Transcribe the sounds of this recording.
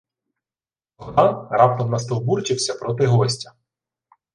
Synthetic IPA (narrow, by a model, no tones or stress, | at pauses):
ɔd̪ɑrɑp̚t̪ɔmnɐst̪ɔwburt͡ʃɪwsʲɐpɾɔt̪ɪɦɔsʲtʲɐ̥